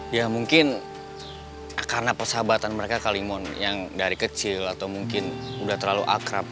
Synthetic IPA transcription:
jamuŋkɪn | karənapərsabat̪anməɾekakalimɔnjaŋdaɾikət͡ʃɪlat̪awmuŋkɪnudaht̪ərlalṵʔa̰kɾap̚

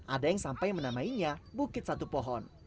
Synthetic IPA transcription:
ʔadajaŋsampajmənamaiɲabukɪt̪̚sat̪upɔɦɔn

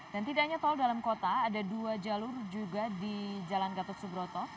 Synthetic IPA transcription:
d̥ant̪idaʔɲat̪ɔldalamkot̪aːdaduad͡ʒalʊrd͡ʒuɡadid͡ʒalanɡat̪ɔsubɾot̪ɔ

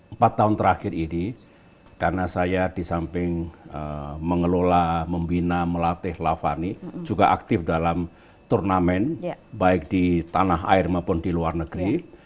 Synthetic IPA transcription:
mpat̪ːaʊnt̪əɾakɪrini | karənasajadisampɪŋə̰məŋəlolaməmbinaməlat̪ɪhlafanid͡ʒuɡaʔa̰k̚t̪ɪfdalam | t̪urnamɛnbaɪk̚d̥it̪anaɦa̰ɪrmapʊndiluarnəɡɾi

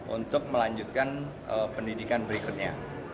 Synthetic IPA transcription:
ʔṵnt̪ʊk̚məlaɲd͡ʒut̪̚kan | əpəndidikanbəɾikʊt̪̚ɲa

